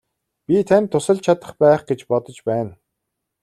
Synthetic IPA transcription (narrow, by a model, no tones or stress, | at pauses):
pʲit̪ʰænʲt̪ʰːʊsə̆ɮt͡ɕʰat̪ə̆χpæːχɡ̥et͡ɕpɔt̪ɞ̆t͡ɕpæːn